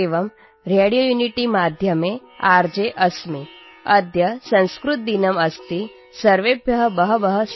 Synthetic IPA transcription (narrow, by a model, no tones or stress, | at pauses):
eʋɐm | ɾeːɽijoːjuniʈimaːd̪ʱjɐme | aːɾd͡ʒeʔɐsmi | ɐd̪ʱjɐsɐ̃ñskɾut̪̚d̪inɐmɐst̪i | sɐɾʋebjɐɦəbɐɦɐbɐɦə